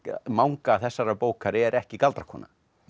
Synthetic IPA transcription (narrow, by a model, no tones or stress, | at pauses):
mawŋkaθɛsːaɾapoːwkʰaɾɪɛɾɛhcɪkalt̪ɾḁhkʰɔːna̰